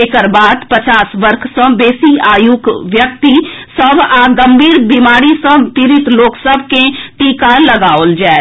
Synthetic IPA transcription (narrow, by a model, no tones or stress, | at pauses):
ɪkəɾbaːd̪pət͡ʃaːsʋəɾkʰsɔ̃ːbeːsiaːjukʋjək̚t̪isəbaɡəmbʱiːɾbimaːɾisɔ̃ːt̪iɾɪt̪loːksəbʱkẽʈiːkaləɡaːoːld͡ʒɛː